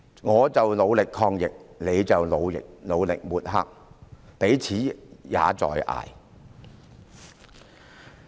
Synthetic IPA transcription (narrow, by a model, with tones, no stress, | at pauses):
ŋɔː˨˧t͡sɐ˨wlo˨˧wlɪ˨kʰɔː˧ŋjɪ˨k̚ne˨˧jt͡sɐ˨wlo˨˧wjɪ̰˨k̚lo˨˧wlɪ˨k̚muː˨˩t̚ɦa̰ː˥k̚ | pe˨˥jt͡sʰiː˨˥ja̰ː˨˧t͡sɔ̰ː˨jʔa̰ː˨j